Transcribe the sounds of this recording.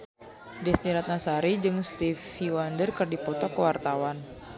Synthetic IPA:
dɛsniɾat̪̚nasaɾid͡ʒɨŋst̪ifiwandərkɨrdipɔt̪ɔkəwart̪awan

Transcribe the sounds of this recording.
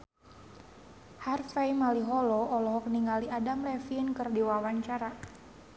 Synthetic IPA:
harfajmaliɦɔlɔːlɔɦɔkniŋaliadamlɛfinkɨrdiwawaɲt͡ʃaɾa

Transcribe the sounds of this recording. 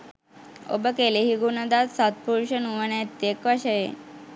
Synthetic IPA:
o̰bəkeleɦiɡunəd̪at̪sat̪̚puɾɕənuʋənet̪ekʋaɕəjḛ

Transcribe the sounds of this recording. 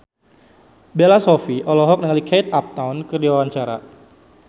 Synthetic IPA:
belasofiʔɔlɔɦɔk̚nəŋalikejt̪̚ap̚t̪awnkərdiwawaɲt͡ʃaɾa̰

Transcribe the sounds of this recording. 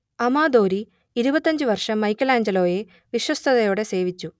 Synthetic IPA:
ɐmaːd̪o̞ːɾi | iɾubɐt̪ːɐɲd͡ʑɨʋɐrʂɐmːɐjkːɐlaːɲd͡ʑɐlo̞ːje̞ | ʋiɕwɐst̪ʰɐðɐjoːɽe̞se̞ːʋit͡ɕːu

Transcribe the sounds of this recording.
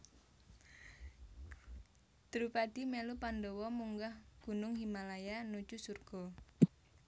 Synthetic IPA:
d̪̥ɾupad̥imelupandɔwɔmuŋɡahɡ̥ṳnʊŋɦimalajanu̥d͡ʒusurɡ̥ɔ

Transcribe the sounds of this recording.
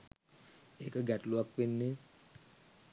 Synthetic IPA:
ekəɡɛʈluak̚penːe

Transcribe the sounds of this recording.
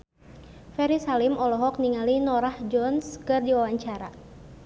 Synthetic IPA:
fɛɾisalimɔlɔɦɔk̚niŋalinɔɾahd͡ʒɔnskɨrdiwawaɲt͡ʃaɾa

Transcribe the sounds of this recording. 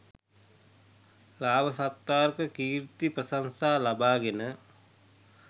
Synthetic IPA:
laːʋəsat̪ːaːrkəkiːɾt̪iprəsansaːlabaːɡenə

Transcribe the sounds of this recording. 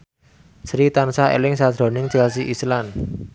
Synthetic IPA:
sɾit̪ansaḛlɪŋsad̪̥ɾɔ̤nɪŋd͡ʒɛls̬iʔislan

